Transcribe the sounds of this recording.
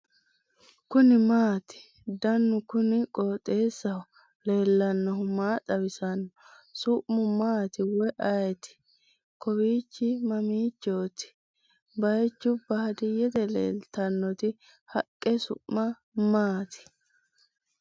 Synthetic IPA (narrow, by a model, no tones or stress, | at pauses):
kʊnɪmaːt̪ɪ̥ | d̪ɐnːʊkʊnɪkʼoːt̪ʼːe̞ːsːɐʊ | le̞ːlːɐnːɔhʊmaːt̪ʼɐbɪsɐnːɔ | sʊʔmʊmaːt̪ɪwɛʔɐjɛt̪ɪ̥ | kɔbiːt͡ʃːɪmɐmiːt͡ʃːoːt̪ɪ̥ | bɐjt͡ʃːʊbaːd̪ɪjɛt̪ɛlḛːlt̪ɐnːɔt̪ɪ | hɐkʼːɛsʊ̰ʔmɐ | maːt̪ɪ̥